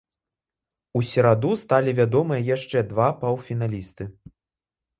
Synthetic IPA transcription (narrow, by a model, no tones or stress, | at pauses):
usʲɛɾad̪ust̪alʲivʲad̪ɔmɨjɐjaʂt͡ʂɛd̪vapawfʲin̪alʲist̪ɨ